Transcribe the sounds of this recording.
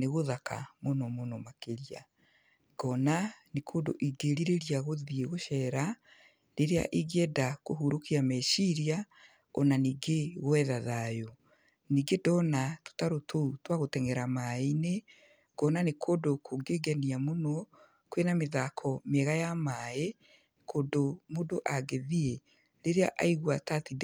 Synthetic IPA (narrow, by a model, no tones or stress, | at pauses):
neɣoðakʰa̰monɔmonɔmakeɾia̰ | ɡ̥ɔnanekʰoːdo̰ʔiɡeɾiɾeɾiaɣoðieɣoʃɛɾa | ɾeɾea̰ʔiɣeɛdakoɦuɾokiamɛʃiɾia | ɔnaniːɡeɣwɛðaðajo | niːɡedɔnato̥taɾotʰoutwaɣotɛŋɛɾamaine | kɔnanekʰodokoɡeɡɛniamonɔ | kwenameðakʰɔmɛɣajamae | kodomodoʔaɡeðie | ɾeɾea̰ʔa̰iɣwatatid